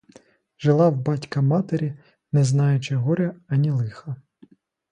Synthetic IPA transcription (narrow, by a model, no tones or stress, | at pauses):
ʒelˠɑwbɑtʲkɐmɑt̪eɾʲi | nɛznɑjʊt͡ʃɪɦɔɾʲɐɐnʲilˠɪxɐ